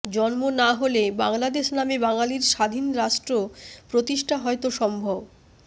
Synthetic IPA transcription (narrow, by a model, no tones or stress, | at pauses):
d͡ʑɔnmonaɦoleba̰ŋlad̪eʃnamebaŋaliɾʃad̪ʱinɾaʃʈɾopɾot̪iʃʈʰaɦɔet̪oʃɔmbʱob